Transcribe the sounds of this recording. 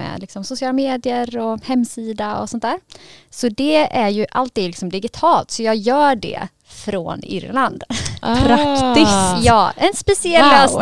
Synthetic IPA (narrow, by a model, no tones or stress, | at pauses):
ɛ̰lɪksɔmsʊsɪɑːlameːd̪ɪəɾɔhɛmːsiːd̪aɔ̰sɔnt̪æːɾsɔd̪ɛæɾjɵʔalt̪iːd̪lɪksɔmd̪ɪɡɪt̪ʰɑːlt̪sɔjɑːɡjœːɖɛ̰ | fɾo̰ːnʏ̰ɾland̪pʰɾakt̪ɪsjjɑːʔɛnspɛsɪɛlːøːs